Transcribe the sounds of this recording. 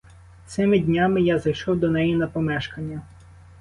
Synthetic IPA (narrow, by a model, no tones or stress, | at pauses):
t̪sɪmɪdʲnʲamɪjazɐjʃɔwd̪ɔnɛjinɐpɔmɛʃkɐnʲːɐ